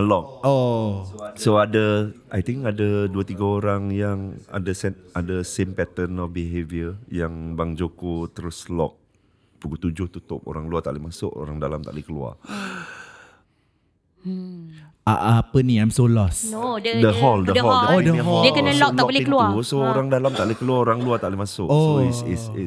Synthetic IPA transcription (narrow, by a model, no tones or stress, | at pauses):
lɔk̚o | soadəʔajt̪ɪŋkadaduət̪iɡaoɾaŋjaŋa̰dəsɛadasempɛt̪ənɔfbiɦeviəjaŋbaŋd͡ʒokot̪əɾʊslɔ̰k̚ | puɡut̪ud͡ʒʊht̪ut̪ʊp̚o̰ɾaŋluat̪a̰ʔlɪmasʊ̰ʔo̰ɾaŋdalamt̪a̰ʔlɪhkəlua̰ | aʔapəniajmsolɔsnoddəɦɔldədəɦɔəodəɦɔdiəkəəlɔk̚laɔbolɪkəluasooɾaŋdalamt̪aʔlkəluaoɾaŋluat̪aʔlihmasʊʔosoisis